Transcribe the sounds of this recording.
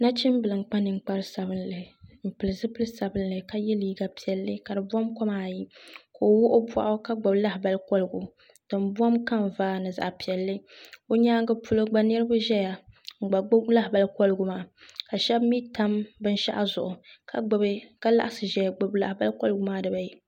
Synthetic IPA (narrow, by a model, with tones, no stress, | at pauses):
na˦t͡ʃi˦m˦bɨ˨lɨ˨ŋ͡mk͡pa˦nɨ˨ŋ͡m̩˨k͡pa˦ɾɨ˦sa˨bɨ˦nlɨ˨m̩˨pɨ˨lɨ˨zɨ˦pɨ˦lɨ˦sa˨bɨ˦nlɨ˨ka˦jɛ˦liː˦ɡa˨pi˨ɛ˨lːɨ˦ka˨dɨ˨bɔ˦mkɔ˦maː˦˨ji˦ko˨o˨˦wʊ˦ʔo˦bʷa̰˦ʔʊ˦ka˦ɡ͡bʊ˨bla˦hba˦lkɔ˦lɨ˨ɡu˨ | d̥ɨ˨mbɔ˦mka˦mvaː˦nɨ˨za̰˨ʔpi˨ɛ˨lːɨ˦o˦ɲaː˦ɡɨ˦pʰu˦lo˦ɡ͡ba˦nɨ˦ɾɨ˦ba˦ʒɛ˦ja˨ŋ͡m̩˨ɡ͡ba˨ɡ͡bla˦hba˨lkɔ˦lɨ˦ɡʊ˨maː˦˨ka˨ʃɛ˦bmi˦ta˦mbɨ˦n˦ʃa̰˦ʔa˦zʊ˨ʔʊ˨ka˦˨˦bka˦la̰˦ʔa˨sɨ˨ʒɛ˦ja˨ɡ͡bʊ˨bla̰˨hba˦lkɔ˦lɨ˦ɡʊ˨˦maː˦dɨ˨ba˨ji˦